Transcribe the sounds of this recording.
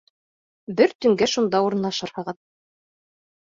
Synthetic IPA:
bɘɾt̪ɵ̆ŋɡæʃund̪ɑuɾɤ̆nlˠɑʃɤɾhɑ̆ʁɤð

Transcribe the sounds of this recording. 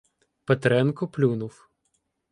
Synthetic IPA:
pet̪ɾɛnkɔplʲunʊw

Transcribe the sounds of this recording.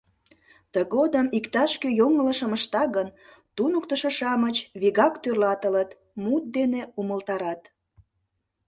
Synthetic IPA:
t̪əɣod̪əmikt̪ɑʃkøjoŋələʃəməʃt̪ɑɣən | t̪unəkt̪əʃəʃɑmət͡ɕβiɣɑkt̪ørlɑt̪ələt̪ | mut̪̚d̪eneuməlt̪ɑɾɑt̪

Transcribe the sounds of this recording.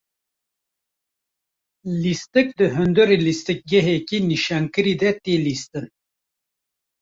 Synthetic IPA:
list̪ɨk̚d̪ɨɦɨnd̪oɾilist̪ɨk̚ɡɛɦekiniʃaːŋkɨɾiːd̪ɛt̪eːlist̪ɨn

